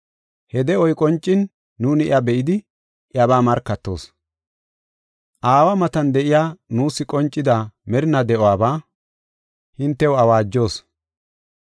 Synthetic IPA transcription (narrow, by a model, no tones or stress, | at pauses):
hɛd̪ɛɔjkʼɔnt͡ʃʼːɪnː | uːnɪɪɐbɛʔɪd̪ɪ | ʔjɐbaːmɐɾkːɐt̪ːo̞̰ːs | ʔaːwɐmɐt̪ɐnd̪ɛʔɪjaːnuːsːɪkʼɔnt͡ʃʼːɪd̪ɐmɛɾɪnɐd̪ɛʔɔwaːbaː | hɪnt̪ːɛwɐwaːd͡ʒːo̞ːs